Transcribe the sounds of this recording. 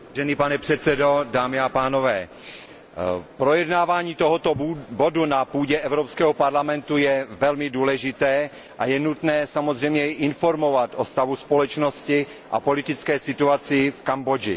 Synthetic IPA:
ʒɛniːpanɛpr̥ɛt̪t͡sɛdo̞daːmɪapaːnovɛː | pɾo̞jɛdnaːvaːɲiːt̪oɦot̪obodunapuːɟɛʔɛvɾopskɛːɦɔpaɾlamɛnt̪ujɛvɛlmɪduːlɛʒɪt̪ɛː | ʔajɛnut̪nɛːsamozr̝ɛjmɲɛjʔɪnfo̞ɾmo̞vat̪ʔost̪avuspolɛt͡ʃnoscɪ | ʔa̰polɪt̪ɪt͡skɛːsɪt̪uat͡sɪfkambod͡ʒɪ

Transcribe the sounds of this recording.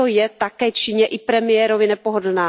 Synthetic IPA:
ojɛt̪akɛːt͡ʃɪɲɛʔɪpɾɛmɪjɛɾovɪnɛpoɦod̩naː

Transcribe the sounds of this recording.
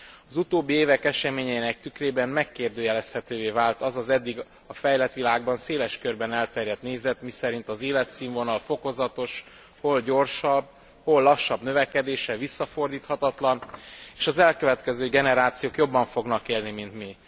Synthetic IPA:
ɒzut̪oːbːieːvɛkɛʃɛmeːɲɛinɛk̚t̪ykreːbɛmmɛkːeːrd̪øːjɛlɛst̪hɛt̪øːveːvaːlt̪ɒzɒzɛd̪ːiɡ | ɒfɛjlɛt̪ʋilaːɡ̚bɒnseːlɛʃkørbɛnɛlt̪ɛrjɛt̪neːzɛt̪misɛɾint̪ɒzeːlɛt̪siːɱvo̞nɒlfo̞ko̞zɒt̪o̞ʃ | ho̞lɟo̞rʃɒbː | ho̞lːɒʃːɒbnø̞vɛkɛd̪eːʃɛvisːɒfo̞rd̪iːt̪hɒt̪ɒt̪lɒneːʃɒzɛlkøvɛt̪kɛzøːɡɛnɛɾaːt̪sijoːkjo̞bːɒɱfo̞ɡnɒkeːlnimint̪mi

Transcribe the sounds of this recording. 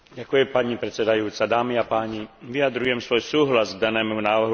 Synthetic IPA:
ɟakujɛmpaɲipɾɛt̪t͡sɛd̪ajuːt͡sad̪aːmiapaːɲiʋijad̪ɾujɛmsʋɔjsuːɦlazɡ̚d̪anɛːmunaːʋrɦu

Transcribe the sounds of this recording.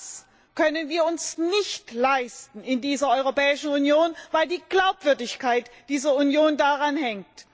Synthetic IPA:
s | kʰœnənviːɐʊnsnɪçtlaɪstn̩ɪndiːzɐʔɔʏʁopɛːɪʃn̩unjoːnvaɪldiːɡ̥laʊpv̥ʏɐdɪçkaɪtd̥iːzɐunjoːndaʁanhɛŋkt

